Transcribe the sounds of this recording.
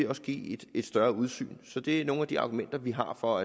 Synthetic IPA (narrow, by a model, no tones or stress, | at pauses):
e̝ɒ̽sɡ̥ḭːd̥e̝d̥sd̥ɶɐuð̞ˠsy̰ːnsɒ̽d̥e̝æɐno̝ːn̩æd̥iɑ̈ɡ̥umen̰d̥ɐʋiɦɑ̈fɒ̽æ